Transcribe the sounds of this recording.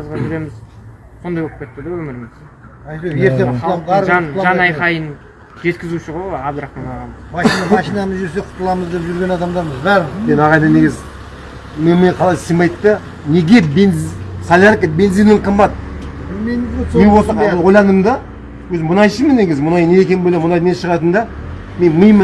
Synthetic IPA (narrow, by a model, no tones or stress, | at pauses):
ɑzʁɑʒɪɾe̞mɪz | so̞nd̪ɑjbolˠəp̚kʰʲe̞t̪ːəd̪ɑwɵmɪɾɪmɪz̥ | ɑjt̪eje̞ɾt̪elˠɑɾnˠʒɑnɑjqɑjən | ʒe̞t̪kʲɪzuʃɪʁojabd̪ɾɑɑnɑʁɑmɑʃinɑɑʃijnɑməzʒʏɾs̬e̞qʰʊ̥t̪ːəlˠɑməzd̪e̞pʒʏɾɡʲe̞nɑd̪ɑmd̪ɑɾməzbæɾmenɑʁɑjd̪ɑne̞ɡʲɪzɪ | məjməqʰɑlˠɑjsemɑjt̪ːə | ne̞ɡʲe̞bensalʲankəbe̞nzinɪɴqʰəmbɑt̪̚bɪlmemɪznewot̪ənwojlˠɑnəmd̪ɑ | wɵzɪmʊnɑjʃəmənːe̞ɡʲɪzɪmʊnɑjneekʲenbolʲemʊnɑjd̪meʃəʁɑt̪ənd̪ɑ | me̞nmɨjm